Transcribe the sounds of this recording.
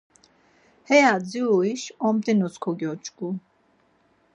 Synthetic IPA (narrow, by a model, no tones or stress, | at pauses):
hɛjad͡ziuiʃɔmt̪ʼinuskʰɔɡjɔt͡ʃʼɡʼu